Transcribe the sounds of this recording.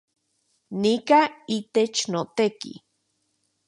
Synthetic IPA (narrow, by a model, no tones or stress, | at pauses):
nikait̪et͡ʃnot̪ekḭ